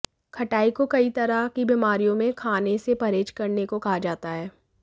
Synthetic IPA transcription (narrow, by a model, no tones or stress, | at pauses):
kʰɐʈaːikokɐit̪ɐɾakibiːmaːɾijõmẽkʰaːnesepɐɾeːt͡ʃkɐɾnekokaɦad͡ʒaːt̪aɦɛː